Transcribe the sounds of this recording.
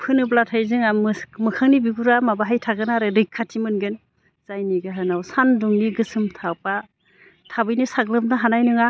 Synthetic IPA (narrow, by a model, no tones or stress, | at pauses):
pʰɯnɯblatʰajzɯŋammɯkʰaŋnibiɡuɾamabaɦajtʰaɡɯnaɾɯɾɯjkʰːatʰimɯnɡɯn | z̥ajniɡaɦɯnawsanduŋniɡɯsɯmtʰawpa | tʰabɯjnisaɡlɯmdaɦanajnɯŋa